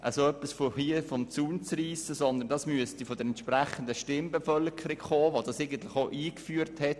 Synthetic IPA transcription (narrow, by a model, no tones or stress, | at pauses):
ʔəsoœpːisfohiəfɔmt͡suːnt͡sriːsəsɔnd̪əndɑsmyəstifod̥̪əɾɛntʃpɾæχənd̪əʃtɪmbefœlkʰəɾikχoːʋod̥ɑsɛɪɡən̩t̪lɪχoʔiːkfyːəɾthɛt